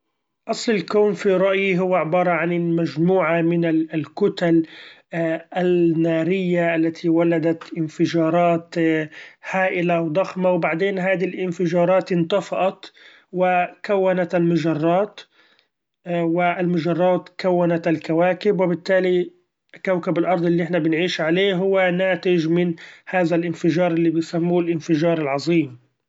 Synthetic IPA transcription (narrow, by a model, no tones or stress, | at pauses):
ʔɑsˤlɪlkuːnfiɾˤɑʔjiɦʊwːaʕɪbɑːɾˤɑʕanɪmaʒmuːʕamɪnalkʊt̪al | ʔanːaːɾɪjːaʔalːat̪ʰiwalad̪at̪ʔɪnfɪʒɑːɾˤɑːt̪ | haːʔɪlawd̪ˤɑxmawbaʕd̪eːnɦaːd̪ilʔɪnfɪʒɑːɾˤɑːt̪ʔɪnt̪ɑfɑʔɑt̪ | wɪkawːanat̪almʊʒɑrˤːɑːt̪ | wɪʔɪlmʊʒɑrˤːɑːt̪kawːanat̪alkawaːkɪbwɪbɪt̪ːaːli | kawkabɪlʔɑɾˤd̪ˤɪlːiʔɪħnabɪnʕiːʃʕaleːɦʊwːanaːt̪ɪʒmɪnhaːðalʔɪnfɪʒɑːɾˤʔɪlːibɪjsamːuːlʔɪnfɪʒɑːɾˤɪlʕɑzˤiːm